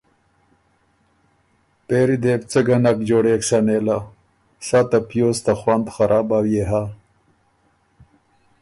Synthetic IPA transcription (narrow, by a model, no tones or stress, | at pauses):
peːɾid̪ebt͡səɡanakd͡ʑoːɽeksaneːla | sat̪apjoːst̪axwand̪xaɾʔaːbawjeɦa